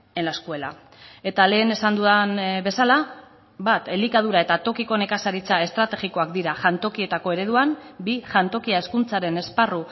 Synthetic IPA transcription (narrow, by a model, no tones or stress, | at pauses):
enlaeskue̞la̰ | e̞t̪ale̞ːne̞sand̪uðanβe̞sala | bat̪e̞likað̞uɾae̞t̪at̪o̞kiko̞ne̞kasaɾit͡sae̞st̪ɾat̪e̞ɣiko̞akd̪iɾaʝant̪o̞kie̞t̪ako̞e̞ɾe̞ð̞uambiʝant̪o̞kiae̞skunt͡saɾe̞ne̞sparu